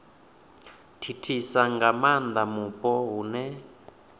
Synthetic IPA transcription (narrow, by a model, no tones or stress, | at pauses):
tʰitʰisaŋɡamand̪amupʼɔɦunɛ